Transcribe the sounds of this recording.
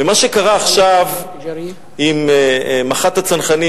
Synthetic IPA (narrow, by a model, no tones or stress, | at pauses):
emaʃekaʁaːχʃav | immaχat̪hat͡sanχani